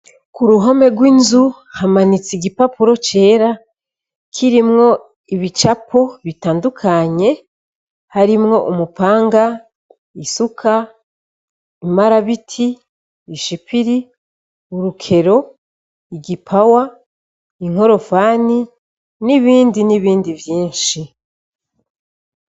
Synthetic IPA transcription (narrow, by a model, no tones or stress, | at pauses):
kuɾuɦo̞me̞ɡwiːnzu | hamanit͡siɡipapuɾo̞t͡ʃe̞ːɾa | kʰiɾimŋo̞ | iβit͡ʃapʰo̞βitaːndukʰaɲe̞ | haɾimŋo̞ʔumupaːŋɡa | isukʰa | imaɾaβitʰi | iʃipiɾi | uɾukʰe̞ɾo̞ | iɟipʰawa | iŋ̥o̞ɾo̞faːni | niβiːndiniβiːndivjiːnʃi